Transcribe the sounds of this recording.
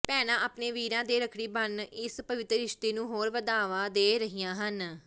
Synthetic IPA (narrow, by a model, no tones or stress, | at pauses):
pɛːnãːʔaːpneːʋiːɾãːd̪eːɾəkʰɽiːbənɪspəʋɪt̪ɾəɾɪʃt̪eːnũːɦoːɾʋəd̪aːʋãːd̪eːɾəɦijãːɦən